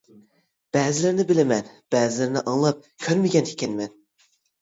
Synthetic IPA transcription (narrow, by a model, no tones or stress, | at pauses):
b̥æːzɪlɪɾɪnɪbɪlɪmɛnb̥æːzɪlɪɾɪnɪʔɑŋlˠɑp̚kʲʰøɾmɪɡʲɛnhʰi̥kʲʰɛnmɛn